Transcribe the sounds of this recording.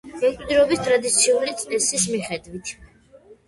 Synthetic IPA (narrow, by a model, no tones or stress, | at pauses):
ɡ̥ɛkʼd̪iɾɔbist̪ʼɾad̪it̪sʰiuɾit̪ʼɛsismiχɛd̪vit̪ʰ